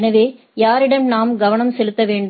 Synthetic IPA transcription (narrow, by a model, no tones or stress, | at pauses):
nɐʋeː | jaːɾɪɽɐnnaːmɡɐʋɐnɐmsɛlɯt̪ːɐʋeːɳɖ